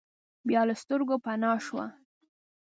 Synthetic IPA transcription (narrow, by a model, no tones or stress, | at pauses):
bjɑləst̪əɾɡopanɑʃwa̰